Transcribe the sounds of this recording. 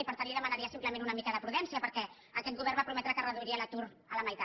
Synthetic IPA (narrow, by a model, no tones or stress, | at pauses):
ipəɾt̪aliðəmənaɾiəsimpləmẽnunəmikəðəpɾuðɛnsiəpəɾkɛ | əkɛt̪̚ɡuβɛrmbapɾumɛt̪ɾəkərəðuiɾiələt̪uɾ | ələmajt̪a